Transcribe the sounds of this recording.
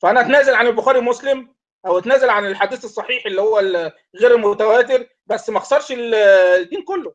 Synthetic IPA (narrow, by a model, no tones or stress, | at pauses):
fæʔænæʔæt̪næːzælʕanelboxæːɾimoslem | ʔæwʔæt̪næːzælʕanelħad̪iːθesˤːɑħiːħelːihowːæl | ɣeːɾelmot̪æwæːt̪̬eɾ | bæsːmæxsˤɑɾˤʃeld̪ːiːnkolːo